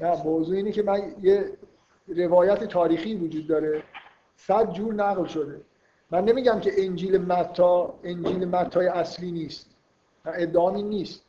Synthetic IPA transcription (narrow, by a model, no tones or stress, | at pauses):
næmozuːiːnecʰemænje | ɾe̞vɒːjæt̪ʰet̪ʰɒːɾiːxiːvod͡ʒuːd̪ːɒːɾe̞ | sæd̪̚d͡ʒuːɾnæɣlʃo̞d̪e̞ | mænːe̞miːɟæmcʰe̞ʔend͡ʒiːlemæt̪ʰːɒːend͡ʒiːlemæt̪ʰːɒːjeæsliːniːst̪̚ | mæed̪ːeɒːminːiːst̪̚